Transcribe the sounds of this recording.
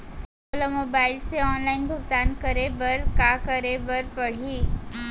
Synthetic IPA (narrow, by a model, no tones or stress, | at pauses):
olamoːbaːɪlseɔːnlaːɪnbʱʊɡt̪aːnkəɾebɐɾkakəɾebəɾpɐɽ̤iː